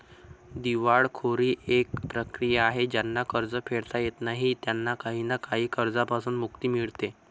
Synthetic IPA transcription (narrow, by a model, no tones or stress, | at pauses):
d̪iʋaɭkʰoɾiːʔek̚pɾəkɾijaːɦed͡ʑjanːakəɾd͡zəfeɭt̪ajet̪naɦiːt̪janːakaɦiːnakaɦiːkəɾd͡zapasuːnd̪mukt̪iːmiɭt̪e